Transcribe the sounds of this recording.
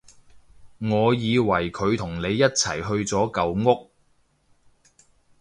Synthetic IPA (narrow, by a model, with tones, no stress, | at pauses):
ŋɔː˨˧jiː˨˧wɐ˨˩jkʰɵ˨˧ɥt̪ʰʊ˨˩ŋne˨˧jːɐ˥t̚t͡sʰɐ˨˩jɦɵ˧ɥt͡sɔː˨˥kɐ˨˧wŋʊ˥k̚